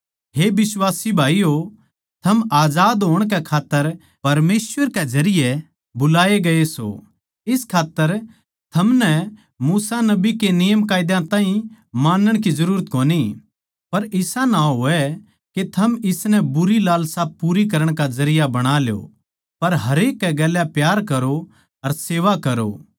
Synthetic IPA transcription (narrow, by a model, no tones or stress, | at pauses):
ɦebɪswaːsibʱaːijo | t̪ʰɐmaːzaːd̪ɦoːəɽ̃k̬ɛkʰaːt̪ːəɾ | pɐɾmeːswəɾkezɐɾɪje | bʊlaːeɡɐeso̰ | ɪskʰaːt̪ːəɾ | t̪ʰɐmnɛ | muːsanɐbikenɪjəmkaːɪd̪jãt̪ãːĩ | maːnəɽ̃kizɐɾuːɾət̪̚koːni | pɐɾɪsanaɦoːɛ | ket̪ʰɐmɪsnɛbʊɾilaːlsapuːɾik̬ɐɾəɽ̃kazɐɾɪjabɐɽ̃aːljo̰ | pɐɾɦɐɾeːkːɛɡɛːljapjaːɾkɐɾo | ɐɾseːʋakɐɾo̰ː